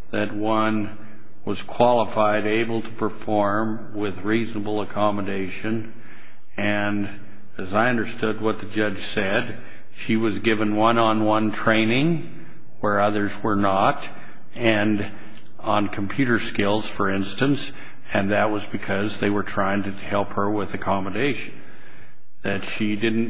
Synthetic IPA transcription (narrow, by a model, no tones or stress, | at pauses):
ðɨt̚wʌ̃n | wʌz̥kʰw̥ɑlˠəfaɪɾeɪbl̩ˠtʰə̥pʰə˞fɔɹm | wɪðɹiznəbl̩ˠəkʰɑmədeɪʃɨ̃n | ɨ̃n | ɨzaɪʌ̃ndə˞stʊd̚wʌt̪̚ðɨd͡ʒʌd̥ʒ̥sɛd | ʃiwʌzɡɪvɨ̃nwʌ̃nə̃nwʌ̃ntʰɹ̥ẽɪ̃nɪ̃ŋ | wə˞ʌðə˞zwə˞nəɾ | ɨ̃n | ə̃nkʰm̩pʰj̥ʉɾə˞skɪlˠz̥fə˞ɪ̃nstɨ̃ns | ɨ̃nðɨt̚wʌzbɨkʰʌzðeɪwə˞tʰɹ̥aɪɪ̃ŋtɨhɛlˠphə˞wɪðɨkʰɑmədeɪʃn̩ | ðɨtʃidɪdⁿn̩